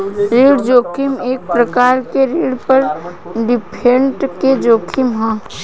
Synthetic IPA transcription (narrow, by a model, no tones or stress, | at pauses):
ɾeːɽd͡ʒoːkʰimeːk̚pɾəkaːɾkeɾeːɽpəɾ | ɖipʰẽɳʈked͡ʒoːkʰimɦə̃